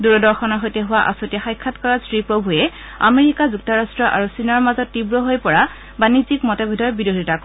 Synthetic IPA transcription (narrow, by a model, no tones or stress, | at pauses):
duɹɔdɔɹxɔnɔɦojtɛɦʊwaʔa̰sotijaxajkʰːatkɔɹasɹipɹobʱuɛ | a̰meɹikazuk̚tɔɹastɹɔʔa̰ɹusinɔɹmazɔtːibɹɔɦojpɔɹa | banizikmɔtebʱedʱɔɹbidodʱitak